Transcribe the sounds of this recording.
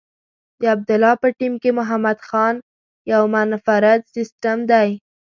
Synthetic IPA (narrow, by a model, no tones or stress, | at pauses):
d̪əab̚d̪ʊlɑpəʈimkemʊɦamad̪xɑn | jawmanfaɾad̪sisʈamd̪aj